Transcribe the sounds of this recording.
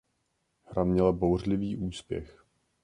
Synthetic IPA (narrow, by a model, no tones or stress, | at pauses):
hɾamɲɛlabowr̝lɪviːʔuːspjɛ̰x